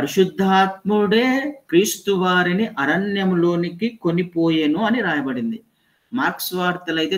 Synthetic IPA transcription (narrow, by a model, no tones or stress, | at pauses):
pɐɾuʃud̪ʱːaːt̪̚muɽe̞ːkɾiːst̪uʋaːɾiniʔɐɾɐɳjɐmlo̞ːnikikonipoːjenuɐniɾaːjɐbɐɽind̪i | maːksʋaːɾt̪ɐlɐjt̪eː